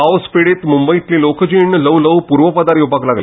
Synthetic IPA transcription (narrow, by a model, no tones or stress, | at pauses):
aʋspiɽeːt̪mumbəjit̪lĩlokʰəd͡ʑiɳələʋləwpuːɾʋəpad̪aɾjubʱaɡlaɡl